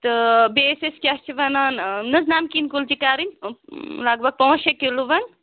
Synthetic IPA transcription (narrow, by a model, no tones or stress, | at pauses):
t̪ɨbesiskʲɐt͡ʃʰiʋɐnɐnnɨznamkinkuld͡ʒikaɾin | laɡbɐɡ̚pɐɦũʃekiluʋɐn